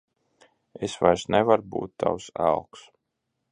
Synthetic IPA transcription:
esvajsnɛvaɾbṵːt̪ːa̰wsa̰lˠks

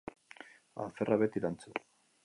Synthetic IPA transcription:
a̰θeraβet̪iɾant͡su

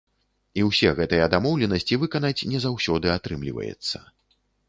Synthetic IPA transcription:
iwsʲɛɣɛt̪ɨjɐd̪amɔwlʲɛnɐsʲt͡sʲivɨkɐnat͡sʲnʲɛzawsʲɔd̪ɨat̪ɾɨmlʲḭvɐ̰jɛ̰t̪sːɐ̥̰

